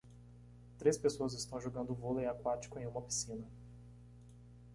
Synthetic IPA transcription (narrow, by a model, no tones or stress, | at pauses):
t̪ɾespesoɐzɪst̪ɐ̃w̃ʒoɡɐ̃nd̪ʊvoliakwat͡ʃi̥kʊẽj̃ũmɐpi̥sĩnɐ